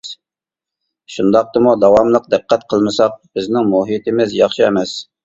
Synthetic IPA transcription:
ʃund̪ɑq̚t̪ɨmud̪ɑwɑmlˠəq̚d̪ɨqːɛt̪qʰəlˠmɨsɑq̚b̥ɪznɪŋmuɦit̪ʰɪmɪzjɑχʃɨɛmɛs

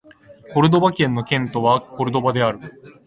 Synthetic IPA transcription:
ko̞ɾɯ̟d̪o̞bakʲẽ̞nːo̞kʲẽ̞nt̪o̞βako̞ɾɯ̟d̪o̞bad̪e̞aɾɯ̟

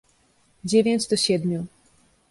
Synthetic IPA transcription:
d͡ʑevʲjeɲd͡ʑd̪ɔɕɛd̪mʲu

